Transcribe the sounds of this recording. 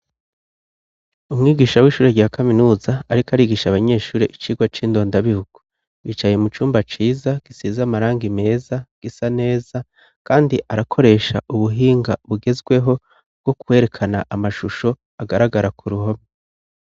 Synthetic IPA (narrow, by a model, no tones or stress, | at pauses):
umŋiːɡiːʃawiːʃuːɾeɟaːkʰaminuːzaːɾikaɾiːɡiʃaβaɲe̞ːʃuːɾe̞ʔit͡ʃiːɡwat͡ʃiːndo̞ːndaβihuɡ̥u | wiːt͡ʃajemut͡ʃuːmbat͡ʃiːzaɡ̥isiːzamaɾaːŋɡime̞ːzaɡ̥isane̞ːza | kaːndiʔaɾakʰo̞ɾe̞ʃa̰ʔuβuɦiːŋɡaβuɡe̞zɡwe̞ɦo̞ | b̚ɡ̥o̞kuwe̞ːɾe̞kʰanaʔamaʃuʃo̞ | aɡaɾaɡaɾakʰuɾuɦome